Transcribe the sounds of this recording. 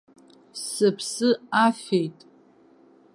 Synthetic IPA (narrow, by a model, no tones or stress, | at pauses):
sɨpʰsɨafejtʼ